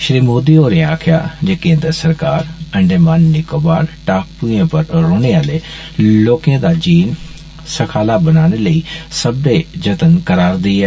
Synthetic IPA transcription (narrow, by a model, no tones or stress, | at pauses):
ʃɾiːmoːd̪ioːɾẽaːkʰɪja̰d͡ʑeːkẽːnd̪əsɐɾkaːɾɐ̃ɳɖemaːnːɪkobaːɾʈaːk̚puẽpɐɾɾoːɽ̃eaːle | loːkẽd̪ad͡ʑiːn | sɐkʰaːlabɐnaːɽ̃eləisɐb̚ɖed͡ʒɐt̪ənkɐɾaːɾd̪iiɦɛː